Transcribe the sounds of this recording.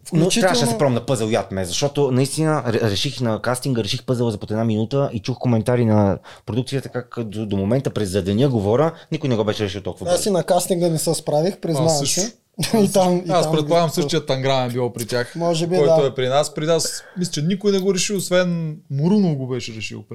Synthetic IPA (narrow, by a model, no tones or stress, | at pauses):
fklnoʊtt͡ʃit̪ɾaɛavɐʃɛsɛpɾɔmnɐpɤzəlˠjat̪mɛzɐʃt̪ɔt̪onɐist̪inəɾɛɾɛʃixnɐkast̪iŋɡəɾɛʃixpɤzəlˠəzɐpot̪ɛd̪naminut̪əʔit͡ʃuxkomɛnt̪aɾinɐpɾod̪uk̚t̪sijətt̪əkakːət̪od̪omomɛnt̪əpɾɛzɐd̪ɐniəɡovɔɾʲənikʊjnɛɡɔbɛʃɛɾɛʃilwˠt̪ɔlˠkuvasinɐkast̪iŋɡənɛsəspɾavixpɾɛznaəsɛ | it̪amiaspɾɛt̪polˠaɡəmsɤʃt̪ijət̪ːɐŋɡɾavɛnbilˠɔpɾit̪ʲaxmɔʒɛbiɔjaoɛpɾinaspɾinasmislɛt͡ʃɛnikʊjnɛɡoɾɛʃiosvɛnmʊɾunovɡobɛʃɛɾɛʃḭwˠpɾ